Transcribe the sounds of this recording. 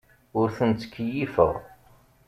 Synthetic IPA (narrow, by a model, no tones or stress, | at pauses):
ʊɾθənt͡s̪ːə̥kːjifə̰ʁ